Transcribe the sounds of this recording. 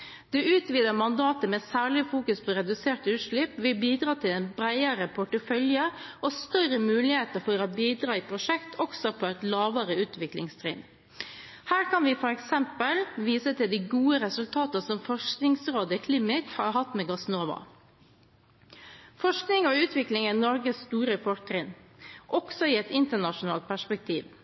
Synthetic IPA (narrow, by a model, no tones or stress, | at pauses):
d̪̥ɛʔʉːt̪ʋiːd̪əmɑnd̪ɑːt̪əmɛsæːɭɪfuːkʉspʰɔɾɛd̪ʉseːʈʉːʂɭɪpːʋɪbiːd̪ɾɑːt̪ʰɪlɛnbɾæɪəɾəpʰʊʈəfœljəɔst̪œrəmʉːlɪheːt̪əɾfɔɾɔbiːd̪ɾɑːiːpʰɾʊʂɛkt̪ʰɔksɔpʰɔæt̪lɑːʋəɾəʉːt̪ʰʋɪklɪ̰ŋst̪ʰɾḭːn | hæːɾkʰɑnʋɪfɔɾɛksɛmpəlʋiːsət̪ʰɪld̪æɡuːəɾɛsʉlt̪ʰɑːt̪əsɔmfɔʂknɪŋsɾoːd̪əkʰlɪmɪkhɑɾhɑt̪ːmeːɡɑsnoːʋɑ̰ | fɔʂknɪŋɔʉːt̪ʰʋɪklɪŋænɔɾɡəsst̪uːɾəfɔɾtʰɾɪnʔɔɡ̥sɔiɛt̪ɪnt̪əɳɑʃʊnɑ̰ːlt̪̚pʰæʂpɛk̚t̪ʰiːʋ